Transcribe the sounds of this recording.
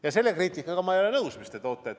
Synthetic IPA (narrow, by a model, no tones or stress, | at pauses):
jɑse̞lːe̞kriːt̪ʲːˑikːˑɑɡ̥ɑmɑejole̞nɤwsmist̪et̪o̞ːt̪ːˑet̪